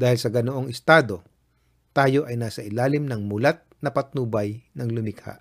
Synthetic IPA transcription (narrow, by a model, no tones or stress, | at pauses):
d̪aːhɪlsɐɡɐnoʔoŋɪst̪aːd̪o̞ | t̪aːjo̞ʔɐjnaːsɐʔɪlaːlɪmnɐŋmʊlat̪̚nɐpɐt̪̚nuːbɐjnɐŋlʊmɪkha̰ʔ